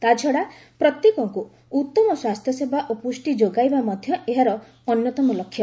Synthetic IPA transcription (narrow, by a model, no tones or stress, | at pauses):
t̪ad͡ʒʱɔɽapɾɔt̪jekɔŋku | ut̪ːɔmɔswast̪jɔsebʱaʔopusʈid͡ʒoɡajbamɔd̪ʱjɔʔeɦaɾɔ | ɔnjɔt̪ɔmɔlɔkʰːjɔ